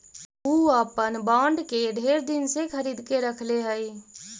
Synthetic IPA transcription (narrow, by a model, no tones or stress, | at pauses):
uəpənbãːɳɖkeɖʱeːɾd̪insekʰəɾiːd̪keɾəkʰleɦəj